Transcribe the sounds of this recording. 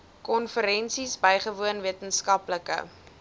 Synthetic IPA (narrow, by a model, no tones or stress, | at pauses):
kɔnfəɾɛnsisbəjχəvuənviətənskɐpləkə̰